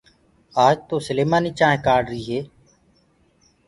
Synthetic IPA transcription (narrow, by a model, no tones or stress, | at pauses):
aːd͡ʒt̪oːsəleːmaːniːt͡ʃaːɦẽːkaːɖɾiːɦeː